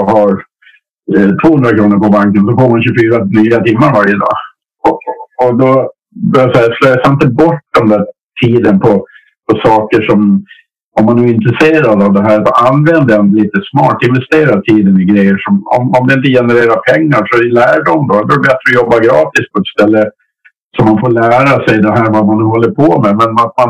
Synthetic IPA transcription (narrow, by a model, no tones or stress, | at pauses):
haɾ | t̪ʰvoːhɵnd̪ɾakʰɾuːnəɾpɔbaŋkənsɔfoːmanɕʉfyːɾanyːat̪ʰɪmːaɾvaɾjəd̪ɑ̰ː | ɔɔd̪ɔ | bœɾjasɛjːasløːasaɪnt̪əbɔʈːd̪ɛmd̪æː | ʈʰiːd̪ənpʰɔ | pʰɔsɑːkəʂɔm | ɔmːanːʉːɪnt̪ɾəseːɾad̪avd̪ɛɦæːɾat̪ʔanvɛnd̪əɛnd̪liːt̪əsmɑːʈɪnvɛst̪eːɾat̪ʰiːd̪ənɪɡɾɛjːəʂɔmɔ̰mamd̪ɪɪnt̪̬əjɛnəɾeːɾapʰɛŋːaɾʂɔɪlæːɖɔmd̪ɔd̪ɔɾɛbɛt̪ɾɔɔjɔbːaɡɾɑːt̪ɪs̚pʰɔɛt̪st̪ɛlːə | sɔmːanfoːɭæːɾasɛjd̪ɛɦæːɾvamanːʉːɦɔlːəɾpʰɔmɛmɛnat̪man